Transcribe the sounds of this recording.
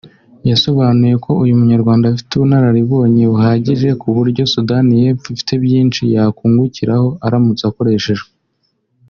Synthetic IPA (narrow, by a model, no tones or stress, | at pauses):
jaso̞βaːnuje̞kʰo̞ujumuɲaɾɡwaːndafi̥tuβunhaɾaɾiβo̞ːɲiβuhaːɟiʒe̞kuβuɾɟo̞sudanijefifi̥tebjiːnt͡ʃijakuːŋɡuciɾaho̞ʔaɾamut͡sako̞ɾe̞ːʃe̞ʒe